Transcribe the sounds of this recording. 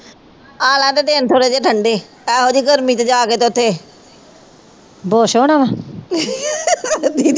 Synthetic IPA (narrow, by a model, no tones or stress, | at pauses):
aːlãːt̪eːd̪eːnt̪ʰoːɽeːd͡ʒeːʈʰəɳɖeː | ɛːɦoːd͡ʒiːɡəɾmiːt̪eːd͡ʒaːkeːt̪eʊt̪ʰːeː | boːʃoːnaːʋaː | d̪iː